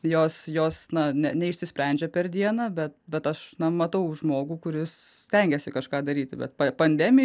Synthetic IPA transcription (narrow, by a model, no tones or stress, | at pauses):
joːsjoːsnɐnʲɛnʲɛɪʃʲsʲɪsʲpʲɾʲɛnʲd͡ʒʲɛpʲɛɾd̪ʲiɛnɑbʲɛt̪bʲɛt̪ɐʃnɐmɐt̪ɐʊʒmoːɡuːkʊɾʲɪssʲt̪ʲɛŋʲɡʲɛsʲɪkɐʃkɑːd̪ɐɾʲiːt̪ʲbʲɛ̰t̪pɐpɐnʲd̪ʲɛmʲɪ